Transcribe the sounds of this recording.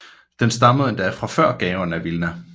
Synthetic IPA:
d̥ensd̥ɑ̈məð̩ˠe̝nd̥æfʁɑ̈fɶɐ̰ɡ̥ɛːʊɐnæʋilnæ

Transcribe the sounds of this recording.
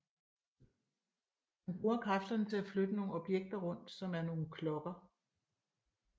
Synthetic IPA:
mænb̥ʁuːɐkʰʁɑfd̥ɐnət͡sʰe̝læflød̥əno̝ːŋ̩ɒ̽b̥jeɡ̥̚d̥ɐʁɔ̽n̰d̥sɒ̽mæɐno̝ːn̩kʰlɒ̽ɡ̥ɐ

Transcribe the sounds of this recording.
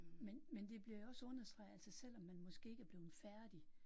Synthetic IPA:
menmend̥e̝b̥liɐjoɒ̽səɔ̽nɐsd̥ʁɑ̈ɪælsɐsel̰ɒ̽mːænmɒ̽sɡ̥e̝̰ːeɡ̥æɐb̥le̝ːð̩ˠfæɐd̥i

